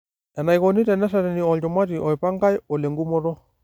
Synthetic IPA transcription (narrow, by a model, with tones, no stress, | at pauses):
ɛ˨na˨jkɔni˦tɛ˨nɛ˦saɾɛ˨ni˨ɔ˨lt͡ʃɔ˨ma˦ti˨ʔɔ˨i˨pa˦ŋɡa˦jɔ˨lɛ˨ŋɡu˦mɔ˦ɾɔ˦